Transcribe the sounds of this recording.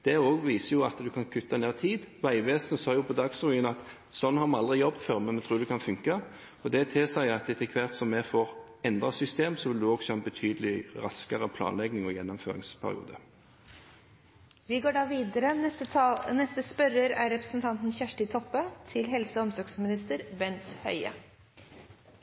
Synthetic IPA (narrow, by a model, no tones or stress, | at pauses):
d̪̥ɛoːɡʋiːsəjʊɑt̪d̪ʉkʰɑnkʰʉt̪ʰːɑneːʁt̪ʰiːd̪ʋæɪʋeːsənəsɑːjʊpʰɔd̪ɑɡsʁʊiːnɑt̪ | sɔnːhɑʁmɑɑld̪ʁɪjɔbt̪fœʁmɛnmɛt̪ʰɾuːɾd̪ɛkʰɑnfʉŋkə | ɔd̪ɛt̪ʰɪlsæɪɑt̪ɛt̪ːəkʰʋæʁt̪sɔmːɛfoːʁ | ɛnd̪ʁɑsʏst̪eːmsɔʋɪld̪ʉɔːɡsɔɛnbət̪ʰyːd̪əlɪʁɑskəʁəpʰlɑ̰ːnlɛɡnɪŋɔjɛnːɔmfø̰ːɾɪ̰ŋspʰæ̰ʁɪ̰ṵːd̪ə | ʋɪɡoːɖɑːʋiːd̪əɾə | nɛst̪əspœɾəɾæɾɛpɾəsənt̪ʰɑnt̪n̩çæʂʈɪt̪ʰɔpːət̪ʰɪlɦɛlsəɔmsɔɾɡsmɪnɪst̪əɾbɛnt̪hœ̰ʏə̰